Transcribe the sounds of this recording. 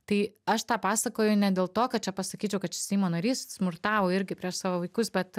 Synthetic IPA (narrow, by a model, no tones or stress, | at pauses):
t̪ɐɪɐʃt̪ɑːpɑːsɐkoːjʊnʲɛd̪ʲeːlˠt̪oːkɐt̪̚t͡ʃʲɛpɐsɐkʲiːt͡ʃʲɛʊkɐt̪t͡ʃʲɛsʲɛɪmoːnɐɾʲiːssmʊrt̪ɑːʋoːɪɾʲɡʲɪpʲɾʲiɛʃsɑːʋoːʋɐɪkʊsbʲɛt̪